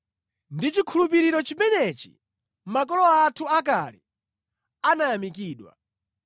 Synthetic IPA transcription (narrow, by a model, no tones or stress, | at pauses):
ndit͡ʃikʰulup̬iɾiɾɔt͡ʃimɛnɛt͡ʃi̥̰ | mak̬ɔlɔatʰuakalḭ | anajamikiːɗwa̰